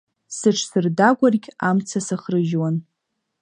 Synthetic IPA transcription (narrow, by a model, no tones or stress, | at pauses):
sɨʈ͡ʂʰsɨrdaɡʷarɡʲamt͡sʰasaχrɨʒwan